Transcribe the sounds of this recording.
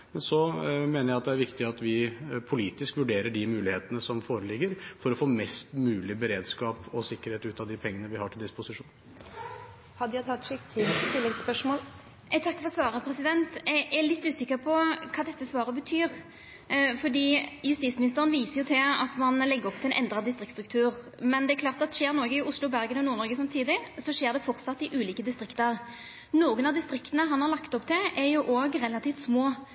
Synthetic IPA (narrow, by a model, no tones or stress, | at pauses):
mɛnsɔmeːnəɾjæɪɑt̪̚d̪ɛæɾʋɪkt̪ɪɑt̪ʋɪpʰʊliːt̪ɪskʋʉɖeːɾəɖɪmʉːlɪheːt̪ənəsɔmfoːɾəlɪɡːəɾfɔɾɔfoːmɛst̪mʉːlɪbəɾeːd̪skɑːpɔsɪkːəɾheːt̪ʉːt̪ɑd̪ɪpʰɛŋːənəʋɪhɑʈʰɪld̪ɪspʊsɪʂuːn | hɑd̪jæɪt̪ʰɑt̪ːʂɪkt̪ʰɪt̪ʰɪlːɛɡspœʂmoːl | ɛt̪ʰɑkːfɔɾsʋɑːɾəpʰɾɛsɪd̪ɛnt̪ɛælɪt̪ːʉːsɪkːəɾpʰɔkʰɑːd̪ɛt̪ːəsʋɑːɾəbət̪ʰyːʁ | fɔɖiːjʉst̪iːt̪smɪnɪst̪əɾənʋiːsəjʊt̪ʰɪɑ̰t̪mɑnlɛɡːəɾɔpt̪ʰɪlɛnʔɛ̰nd̪ɾɑd̪ɪst̪ɾɪk̪st̪ɾʉk̚t̪ʰʉːɾ | mɛnd̪ɛækʰlɑːʁt̪ɑt̪ʃeːɾnɔɾɡəɪʊslʊbæɾɡənɔnuːɾnɔɾɡəsɑmt̪ʰiːd̪ɪsɔʂeːd̪ɛfɔɾt̪sɑt̪ːɪʔʉːliːkəd̪ɪst̪ɾɪkt̪əɾ | noːɡənɑd̪ɪst̪ɾɪkt̪ənəɦɑnhɑʁlɑkt̪ɔpːt̪ʰɪʔɛɾjʊʔoːɡʁɛlɑt̪iːft̪smoː